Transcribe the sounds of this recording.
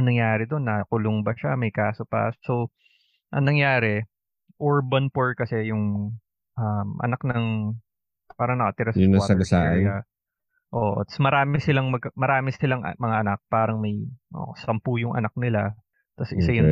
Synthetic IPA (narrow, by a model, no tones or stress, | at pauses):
ɐŋnɐŋjaːɾɪd̪o̞nːɐkʊlʊŋbɐʃamɐjkaːsopɐ̰ssow | ʔɐ̰ŋnɐŋjaːɾɛ | ʔoɹbɐnpoɹkɐsɛjʊŋ | ʔɐmʔɐ̰nak̚nɐŋ | paːɾɐŋnɐkɐt̪ɪɾasʊɐɐɡɐsaːʔɐa | ʔoːʔt̪ɐ̥smɐɾaːmɪsɪlaŋmɐɡ̚kɐmɐɾaːmɪsɪlaŋʔɐ̰mɐŋaʔɐnak̚paːɾɐŋmɐjʔo̰ːsɐmpujʊŋʔɐ̰nak̚nɪla | t̪ɐsʔɪ̰sajʊ